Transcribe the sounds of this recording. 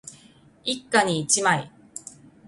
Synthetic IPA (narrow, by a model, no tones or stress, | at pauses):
ikːaɲ̟iːt͡ɕimai